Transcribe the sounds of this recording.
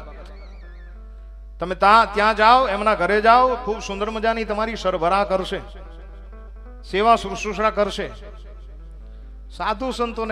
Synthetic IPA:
t̪ | t̪əmẽt̪ãt̪jãd͡ʒaoɛmnaɡʱəɾed͡ʒaokʰubsʊ̃nd̪əɾməd͡ʒanit̪əmaɾiʃəɾbʱəɾakəɾʃe | seʋasuɾusuʃɽakəɾʃe | sad̪ʱũsənt̪on

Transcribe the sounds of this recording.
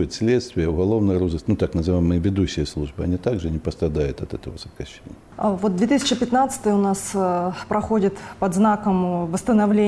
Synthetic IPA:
jɪt̪sʲlʲet̪st̪vʲɪjəʊɣɐlˠovnɨjəɾozɨsʲt̪ʲnut̪aknəzɨvajɪmɨjəvʲɪd̪uɕːɪjəslˠuʐbɨɐnʲit̪aɡʐɨnʲɪpəst̪ɾɐd̪ajʊt̪ɐt̪ɛt̪əvəsət̪kɐɕʲːḛnʲɪəvot̪̚d̪vʲet̪ɨsʲɪ̥t͡ɕɪpʲɪt̪nat̪sə̥t̪əjəʊnaspɾɐxodʲɪt̪pɐd̪znakəmvəst̪ənɐvlʲe

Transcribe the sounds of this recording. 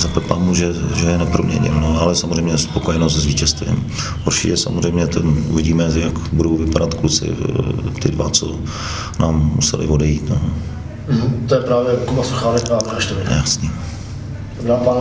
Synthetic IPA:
zapɛpamuʒɛʒɛjɛnɛpɾomɲɛ̰ɲɪ̰lnoalɛsamozr̝ɛjmɲɛspokojɛnosɛzviːcɛst̪vɪ̰m | ʔuɾt͡ʃɪcɛsa̰mozrɛjmɲɛt̪ɛnuvɪɟiːmɛjakbudo̞wvɪpadat̪klut͡sɪ̰t̪ɪdvat͡so | naːmːṵsɛ̰lɪ̰vo̞dɛjiːt̪no | t̪ojɛpɾaːvjɛkomasoxaːlɛpaːvɛaʃt̪ovɪjasɲi | daːpan

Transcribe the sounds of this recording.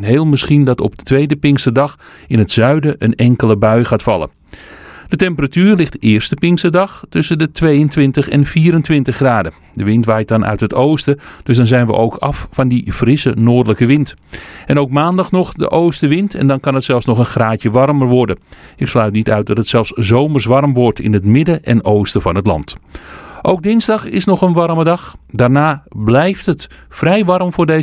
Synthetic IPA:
ɦeːlˠməsχindɑtɔ̰p̚dətʋejdəpɪŋkstədɑx | ɪnɦətsœɥdəʔənɛŋkəlˠəbœɥxaːtfɑ̰lˠə̰ | d̥ətɛmpəratyːrlɪxtəɪːrstəpɪŋstədɑxtʏsəndətʰʋejəntʋɪntəxɛnfiːɾəntʋɪntəxɡraːdə | dəʋɪntʋajt̚dɑnʔœ̰ɥtɦətowstəd̥øsdɑnzɛjnʋə̰ʔowkʰɑ̰ffɑndifrɪsənoːrdələkəʋɪnt | ʔɛnowk̚maːndɑxnɔxdə̰ʔowstəʋɪntʰɛ̰ndɑnkɑnətsɛlˠfsnɔχənxraːtjəʋɑrmərʋɔrdəɪkslœɥtnitœɥt̚dɑtətsɛlˠfszowmərsʋɑrmʋɔrtʰɪ̰nɦətmɪdəʔɛnowstəfɑnɦətlɑ̰nt | ʔowk̚dɪnzdɑxɪ̰snɔxənʋɑrmədɑxdaːrnaːblɛjftətfrɛjʋɑrmfʊːrde

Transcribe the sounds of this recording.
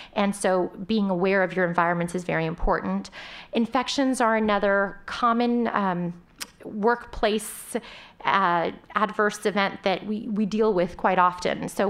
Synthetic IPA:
ʔɨ̃nsoʊbiɪ̃ŋəwɛɹʌvjə˞ɨ̃ɱvaɪɹɨ̃nmɨ̃ntɨzvɛ̰ɹiɨ̃mpʰɔɹʔn̩tɨ̃ɱfɛkʃɨ̃nzə˞ɨnʌðə˞kʰɑmɨ̃n | wɜ˞kpʰl̥eɪs | ædvɜ˞sɨvɛ̃nðɨʔ̚wiwidilˠwɪð̥kʰw̥aɪɾɑfɨ̰̃nsoʊ

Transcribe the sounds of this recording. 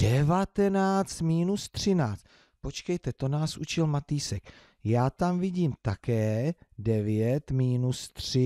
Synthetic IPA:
dɛvat̪ɛnaːt͡st̪miːnust̪r̝̥ɪnaːt͡st̪̚ | pot͡ʃkɛjt̪ɛt̪o̞naːsʔṵt͡ʃɪlmat̪iːsɛk | jaːt̪amvɪɟiːmt̪akɛːdɛvɪjɛt̪miːnust̪r̝̥ɪ

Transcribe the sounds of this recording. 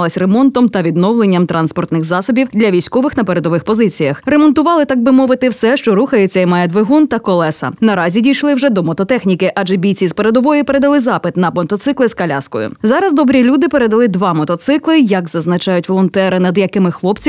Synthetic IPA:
lˠɪsʲremɔnt̪ɔmt̪ɐʋʲid̪nɔwlˠenʲːɐmt̪ɾɑnspɔrt̪nɪxzɑsɔbʲiwd̪lʲɐʋʲijsʲkɔʋɪxnɐpeɾed̪ɔʋɪxpɔzɪt͡sʲijɐxɾemɔnt̪ʊʋɑlˠɪt̪ɑɡ̚bɪmɔʋɪt̪ɪwsɛʃt͡ʃɔɾuxɐjet͡sʲːɐimɑjɛd̪ʋeɦunt̪ɐkɔlˠɛsɐ̰nɐɾɑzʲidʲijʃlˠɪwʒɛd̪ɔmɔt̪ɔt̪ɛxnʲikɪʔɑʒɛbʲijt͡sʲizpeɾed̪ɔʋɔjipe̞ɾe̞d̪ɐlˠɪzɑpɪt̪nɐpɔnt̪ɔt̪sɪklˠɪskɐlʲa̰skɔ̰jʊ̰zɑɾɐzd̪ɔbɾʲilʲud̪ɪpe̞ɾed̪ɐlˠɪd̪ʋɑmɔt̪ɔt̪sɪklˠɪjɐɡzɐznɐt͡ʃɑjʊtʲʋɔlˠɔnt̪ɛɾɪnɐd̪jɐkɪmɪxlˠɔpt͡sʲi

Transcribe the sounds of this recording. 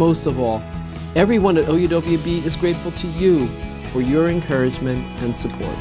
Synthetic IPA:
moʊstʌvɔlˠ | ɛvɹiwʌ̃nɨɾoʊjɨdoʊbliɨbiɨzɡɹeɪtfl̩ˠtʰɨju | fə˞jə˞ɨ̃nkʰɜ˞ɨd͡ʒmɨ̃nt | ɨ̃nsəpʰɔ̰ɹt̚

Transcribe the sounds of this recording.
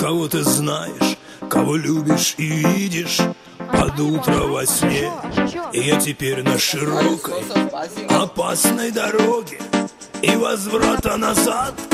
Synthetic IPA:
kɐvo̞t̪ɨznajɪ̰ʂ | kɐvo̞lʲubʲɪʂividʲɪʂ | pɐd̪ut̪ɾəvɐsʲnʲeɪjatʲɪpʲeɾʲnəʂɨɾokəj | ɐpasnəjd̪ɐɾoɡʲɪ | ivɐzvɾat̪ənɐzat̪

